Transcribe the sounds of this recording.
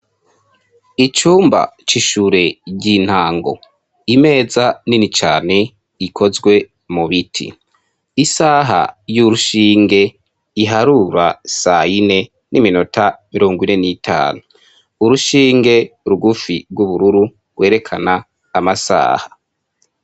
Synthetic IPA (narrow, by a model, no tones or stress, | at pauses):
it͡ʃuːmba̰t͡ʃiʃuɾe̞ɟin̥haːŋɡo̞̰ | ime̞ːzaninit͡ʃaːne̞ | ikʰo̞zɡwe̞ | muβitʰḭ | isaːɦa̰juɾuʃiːŋɡe̞ | iɦaɾuɾasaine̞ | nimino̞tʰamiɾo̞ːŋɡwine̞nitʰa̰ːnuː | ɾuʃiːŋɡe̞ɾuɡufiɾɡwuβuɾuɾu | ɡ̥we̞ːɾe̞kʰanaː | masa̰ːha